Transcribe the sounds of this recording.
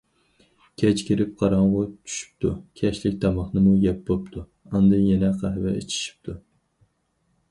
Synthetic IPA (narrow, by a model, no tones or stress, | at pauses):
kʲʰɛt͡ʃkʲʰiɾɪp̚qʰɑɾɑŋʁʊt͡ʃʰy̥ʃy̥p̚t̪ʰukʲʰɛʃlɪkʲt̪ɑmɑχnɨmujɛp̚bopt̪ʰu | ɑnd̪ɨnjɛnɛqʰɑɦɛvɛ̰ʔḛt͡ʃʰi̥ʃi̥p̚t̪ʰu